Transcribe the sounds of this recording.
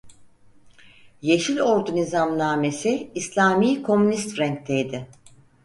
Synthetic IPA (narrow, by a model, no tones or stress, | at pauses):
je̞ʃilʲo̞ɾd̪unʲizamnaːme̞siːslʲaːmijkʰo̞mynist̪fɾɛŋk̚t̪ʰejd̪ɪ